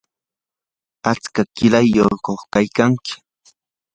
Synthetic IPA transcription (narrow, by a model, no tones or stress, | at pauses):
at͡skakɪlajːokoχkajkaŋkɪ̥